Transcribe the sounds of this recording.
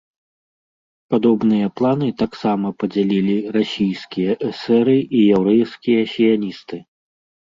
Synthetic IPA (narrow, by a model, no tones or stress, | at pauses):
pad̪ɔbnɨjɐplˠanɨt̪aksamɐpɐd͡zʲalʲilʲirasʲijskʲijɐʔɛsɛɾɨʔijɛwɾɛjskʲijɐsʲijanʲist̪ɨ